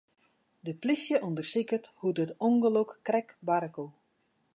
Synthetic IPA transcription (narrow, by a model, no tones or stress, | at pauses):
dəplisjəʔondərsikəthutətoŋɡəlokːrɛkbaɾəko